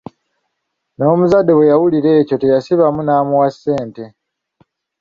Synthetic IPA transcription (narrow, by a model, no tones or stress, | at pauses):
no̞ːmuzadːe̞βwe̞jawuliɾe̞ːco̞te̞jasiβamunaːmuwasːe̞ːnte̞